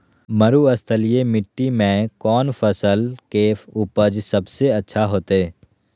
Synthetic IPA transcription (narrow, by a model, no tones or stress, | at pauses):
məɾuəst̪ʰəlijemɪʈːimẽkɔːnfʰəsəlkeːfʊpəd͡ʒsɐbseɐtːʃʰaɦoːt̪ɛː